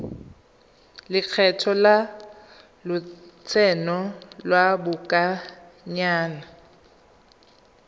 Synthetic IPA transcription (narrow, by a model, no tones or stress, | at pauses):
lɪq͡χʰɛtʰɔla | lʊt͡sʰɛnɔlwabʊkʼa | ɲaːna